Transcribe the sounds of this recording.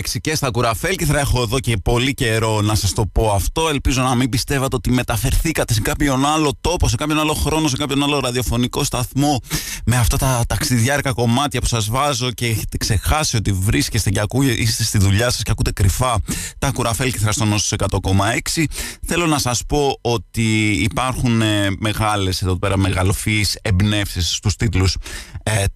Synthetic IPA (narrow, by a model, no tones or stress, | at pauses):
eksice̞st̪ɐkuɾɐfe̞lciθɾɐexo̞eðo̞cepo̞lice̞ɾo̞nɐsɐst̪o̞po̞ɐft̪o̞e̞lpizo̞nɐmimbist̪e̞vɐt̪eot̪ime̞t̪ɐfe̞ɾθikɐt̪e̞sekɐpço̞nɐlo̞t̪o̞po̞s̬ekɐpço̞nalo̞xɾo̞no̞se̞kɐpço̞nɐlo̞ɾɐðio̞fo̞niko̞st̪ɐθmo̞me̞ɐft̪ɐt̪ɐt̪ɐksiðʝɐɾkɐko̞mɐt̪çɐpu̥sɐzvɐzo̞ce̞eçe̞t̪e̞kse̞xɐsio̞t̪ivɾisce̞st̪eceɐkuʔist̪e̞st̪iðuʎɐsɐ̥sceɐkut̪e̞kɾifɐt̪ɐkuɾɐfe̞lceθɾɐst̪onost̪o̥se̞kɐt̪o̞ko̞mɐe̞ksiθe̞lo̞nɐsɐspo̞ot̪iːpɐɾxuneme̞ɣɐle̞seðo̞pe̞ɾɐme̞ɣɐlofisebne̞fsisːt̪ust̪it̪lus